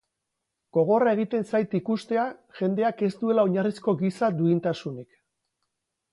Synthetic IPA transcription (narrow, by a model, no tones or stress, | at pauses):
ɡ̥o̞ɣ̞o̞rae̞ɣ̞it̪e̞nsajt̪ikust̪e̞aʝe̞nd̪e̞ake̞st̪ue̞lao̞ɲarisko̞ɣisad̪uint̪asunik